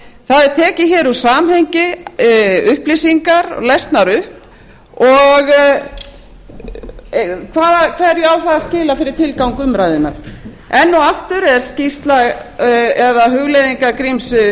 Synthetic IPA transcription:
θaðɛɾt̪ʰɛːcɪçɛːɾusaːmhɛjɲcɪ | ʏhplisiŋkaɾ̰lɛst̪naɾʏhp | ɔɣ | kʰvaːðakʰvɛɾjɛawθaðascɪːlafɪɾɪɾ̥t̪ʰɪlkawŋkʏmɾajðʏnːa̰ɾ̥ | ɛnːuaft̪ʏɾɛɾ̥scist̪laɣ | ɛðaɦʏɣlejðiŋkakɾimsʏ

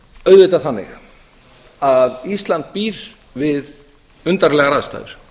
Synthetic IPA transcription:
œɥðvʏt̪aθanːɪ̰x | aðist̪lant̪̚piːɾ̥ | vɪð | ʏnt̪aɾlɛːɣaɾaðst̪a̰jðʏɾ̥

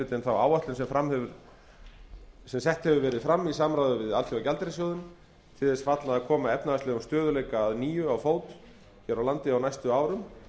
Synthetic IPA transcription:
ɪt̪ɛnθawaːwaht̪lɪnsɛmfɾamːhɛvʏɾ̥ | sɛmsɛht̪hɛvʏɾvɛːɾɪðfɾamːisaːmɾaːwðʏvɪða̰lfɛacalt̪ɾɪsjɔwðʏm | t̪ʰɪlðɛsfat̪laðakʰɔːmaɛpnaast̪lɪɣamst̪œːðʏlejkaːðniːjʏawfoːwt̪ | çɛɾawlant̪ɪawnajst̪ʏaːwɾʏm

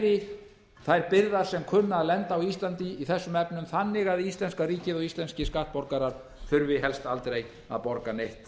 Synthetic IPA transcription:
ðɪ | θajɾpɪɾðaɾ̥sɛmkʰʏnːaːðlɛnt̪aːwist̪lant̪iiθɛsːʏmɛpnʏmθanːɪɣaðist̪lɛnskariːcɪðɔɣist̪lɛnscɪskaht̪̚pɔɾkaɾaɾ̥ | θʏɾvɪɦɛlst̪alt̪ɾej | a̰ðpɔɾkanejht̪

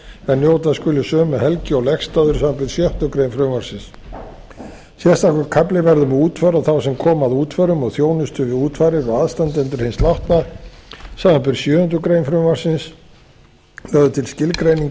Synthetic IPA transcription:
ɛnːjoːwt̪askʏːlɪsœːmɛhɛlcɪɔɣlɛxst̪aːðʏɾ̥samvapɪɾ̥sjœh̪t̪ʏkɾejnfɾʏmvaɾ̥sɪns | sjɛ̥st̪ahkʏɾkʰaplɪvɛɾðʏmauːt̪fœɾaθawsɛmkʰɔːmaðuːt̪ʰfœɾʏmɔɣθjoːwnʏst̪ʏvɪðuːt̪fajɾɪɾɔɣaðst̪ant̪ɛnt̪ʏɾ̥hɪnslawht̪na | saːmapɪɾsjœːʏnt̪ʏkɾejnfɾʏmvaɾ̥sɪns | lœɣðʏt̪ʰɪlscɪlkɾejniŋ

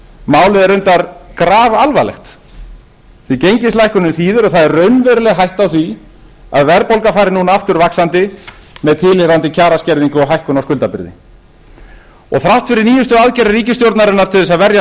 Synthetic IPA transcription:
maːwlɪðɛɾʏnt̪aɾkɾaːvalvalɛ̰xt̪ | θvicejɲcɪst̪lajhkʏnʏmθiːðʏɾɔθaðɛrːœɥnvɛɾʏlɛɣɦajht̪awθvi | aðvɛɾpowlkafaːjɾɪnunaaft̪ʏɾvaksant̪ɪmɛðt̪ʰɪlɪɾant̪ɪcʰaːɾascɛɾðiŋkʏɔɦajhkʏnawskʏlt̪apɪɾðɪ̰ | ɔ̰ɣθɾawht̪fɪɾɪɾniːjʏst̪ʏaðcɛɾaɾiːcɪst̪jowɾt̪naɾɪnːaɾ̥t̪ʰɪlðɛsaðvɛɾja

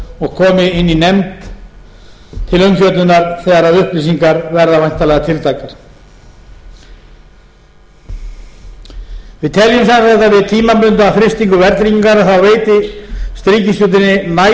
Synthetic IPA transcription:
ɔɣkʰɔːmɪɪnːinɛmt̪ | t̪ʰɪlœɥnçœt̪nʏnaɾθɛːɣaɾaðʏhplis̬iŋkaɾvɛɾðavajn̥t̪alɛɣat̪ʰɪlt̪ʰaːkaɾ̥ | vɪðt̪ʰɛljʏmsansajt̪avɪðt̪ʰiːmapʏnt̪aawfɾɪst̪iŋkʏvɛɾt̪ɾiciŋkanaθawveːjt̪ɪst̪ɾiːcɪsjuwt̪ɪnːɪna

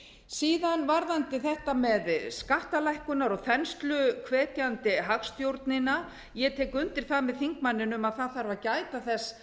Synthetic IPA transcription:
siːðanvaɾðant̪ɪθɛht̪amɛðskaht̪alajhkʏnaɾɔɣθɛnst̪lʏkʰvɛːt̪jant̪ɪɦakst̪jowɾt̪nɪna | jɛt̪ʰɛːkʏnt̪ɪɾ̥θaðmɛðθiŋk̚manːɪnʏmaðθaðθaɾvacaːjt̪aθɛsː

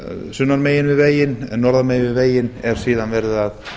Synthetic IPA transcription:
sʏnːaɾmeːjɪnvɪðveːjɪnɛnɔɾðameːjvɪðveːjɪnɛɾ̥siːðanvɛɾðɪðað

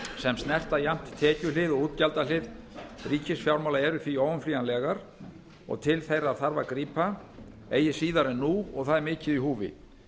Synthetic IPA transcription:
sɛmst̪nɛr̥t̪ajam̥t̪t̪ʰːɛːcʏlɪðɔɣuːt̪calt̪alɪðriːcɪsfjawɾmawlaɛɾʏθviɔːwʏmfliːjanlɛɣaɾ̥ | ɔ̰ɣt̪ʰɪlθejɾaðθaɾva̰kɾiːpa | eːjɪsiːðaɾɛnːuɔɣθaðɛɾmɪːcɪðiɦuːvɪ̰

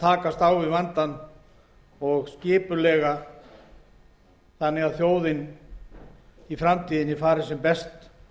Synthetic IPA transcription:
t̪ʰaːkast̪awɪvant̪an | ɔɣscɪːpʏlɛːɣa | θanːɪɣaðθjoːwðɪn | ifɾamt̪ʰiːðɪnɪfaːɾɪsɛmpɛst̪

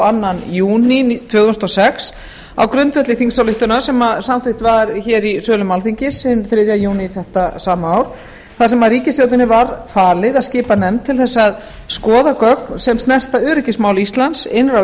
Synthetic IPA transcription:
anːanjuːnit̪ʰvoːɣðʏst̪ɔsɛks | a̰wkɾʏnt̪vɛt̪lɪθiŋsawlɪht̪ʏnasɛmasamθɪht̪vaɾçɛːɾisœːlʏmalθiɲcɪsɪnθɾɪðjaðjuːnɪθɛht̪asaːmaaːwɾ̥ | θaðsɛmaðɾiːcɪsjoːwt̪ɪnːɪvaɾfaːlɪðaðscɪːpanɛmt̪ʰːɪlθɛsːað | skɔːðakœknsɛmst̪nɛr̥t̪aʏːɾʏcɪsmaːwlist̪lansɪnra

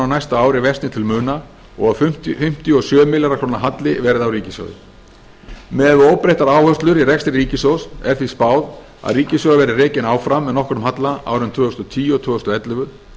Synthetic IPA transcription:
awnajst̪aaːwɾɪvɛst̪nɪt̪ʰɪlmʏːna | ɔ̰ɣaðʏ̥tfʏm̥t̪iɔsjœːmɪlaɾakʰɾownaɦat̪lɪvɛːɾɪðawriːcɪsjœ̰ɣðʏ̰ | mɛðoːwpɾeht̪aɾaːwhœst̪lʏɾirɛkst̪ɾɪriːcɪsowsɛɾ̥θispaːwð | a̰ðriːcɪsjɔɣavɛɾɪreːcɪnaːwfɾamːɛðnɔhkɔɾʏmɦat̪laa̰ːwɾɪnt̪ʰvʏːhʏst̪ɔt̪ʰiːjʏɔt̪ʰʏːʏst̪ʏɛt̪lʏvʏð

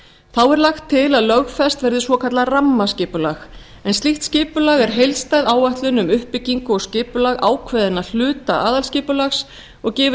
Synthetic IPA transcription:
θawɛɾlaxt̪ʰːɪlaðlœɣfɛst̪vɛɾðɪsvɔkʰat̪laramːascɪːpʏlax | ɛnst̪liht̪scɪːpʏlaːɣɛɾ̥ɦejlst̪ajðaːwaht̪lʏnʏmʏhpɪciŋkʏɔɣscɪːpʏlaɣa̰ːwkʰvɛðɪnːal̥ʏːt̪a̰ʔaːðalscɪːpʏlaxs | ɔɣcɛːvʏ

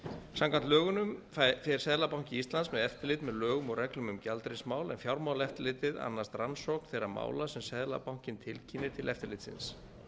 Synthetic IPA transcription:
sãmkʰvant̪lœːɣʏnʏm | fɛɾ̥sɛðlapawŋ̥cɪist̪lansmɛðɛft̪ɪɾlɪːt̪mɛðlœːɣʏmɔɣrɛklʏmʏmcalt̪ɾɪsmaːwlɛ̰nfjawɾmaːwlɛft̪ɪlɪt̪ɪða̰nːast̪ransɔk̪θejɾama̰ːwlasɛmsɛðla̰pawŋ̥cɪnt̪ʰɪlcʰinːɪt̪ʰɪlʔɛft̪ɪɾlɪːt̪sɪ̰ns

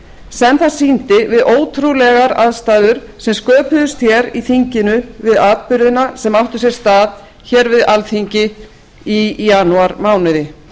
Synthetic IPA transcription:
sɛnθasiːnt̪ɪvɪðʔoːwt̪ʰɾulɛɣaɾaðst̪aːðʏɾ̥ | sɛmskœːpʏðʏst̪çɛɾiθiɲcɪnʏvɪðaːðpʏɾðɪnasɛmawht̪ʏsjɛɾ̥st̪aːð | çɛɾvɪðalθiɲcɪ | ijanuaɾmaːwnɪðɪ

